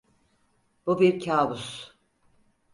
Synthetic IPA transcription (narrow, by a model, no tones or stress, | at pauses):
b̥ubiɾcʰaːbus